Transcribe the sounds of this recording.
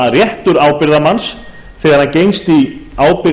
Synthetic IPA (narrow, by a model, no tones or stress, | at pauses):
rjɛht̪ʏɾaːwpɪɾðamans | θɛɣaɾ̥hancejnst̪iaːwpɪ